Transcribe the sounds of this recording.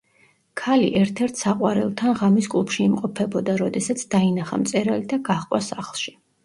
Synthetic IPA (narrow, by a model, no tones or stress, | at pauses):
kʰalḭʔɛɾt̪ʰɛɾt̪ʰsaqʼwaɾɛ̰lˠt̪ʰanʁamiskʼlupʰʃiimqʼɔpʰɛbɔd̪aɾɔd̪ɛsat̪sʰd̪̥ainaχa̰mt̪sʼɛɾalid̪aɡaχqʼwa̰saχlˠʃi̥